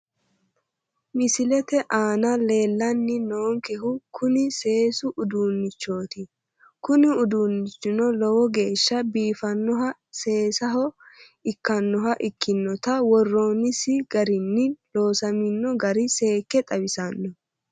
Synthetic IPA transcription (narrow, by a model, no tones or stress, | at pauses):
mɪsɪlɛt̪ɛʔaːnɐle̞ːlːɐnːɪno̞ːŋkɛhʊkʰʊnɪse̞ːsʊʔʊd̪uːnːɪt͡ʃːo̞ːt̪ɪ | kʊnɪʊd̪uːnːɪt͡ʃːɪnɔlɔwɔɡe̞ːʃːɐbiːfɐnːɔɦɐ | se̞ːsɐɦɔ | ɪkːɐnːɔɦɐʔɪkːɪnːɔt̪ɐwɔrːo̞ːnɪsɪɡɐɾɪnːɪlo̞ːsɐmɪnːɔɡɐɾɪse̞ːkːɛt̪ʼɐβɪsɐnːɔ